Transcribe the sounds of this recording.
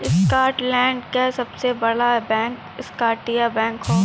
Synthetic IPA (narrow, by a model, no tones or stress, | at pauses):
ɪskaːɾʈlɛ̃ːɳɖkesɐbsebɐɽ̤abɛ̃ːŋk | ɪskaːʈijabɛ̃ːŋkɦoː